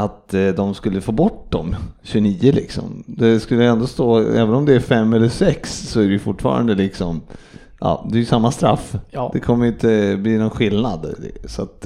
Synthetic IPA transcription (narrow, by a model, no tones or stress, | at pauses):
at̪d̪ɔmskɵlːəfoːbɔʈd̪ɔmɕɵniːəlɪ̰ksɔ̰md̪ɛskɵlːəjɛnd̪ɔst̪oːɛːvənɔmd̪ɛæɾfɛmːɛlːəʂɛksːɔæɾɛjʏfʊʈːfɑ̰ːɾa̰nd̪əlɪksɔm | ʔɑ̰ːd̪ɛæːɾjʏsamːast̪ɾa̰fːd̪ɛkʰɔmːəɾjʏnt̪əbliːnɔnɧɪlnad̪̰sa̰t̪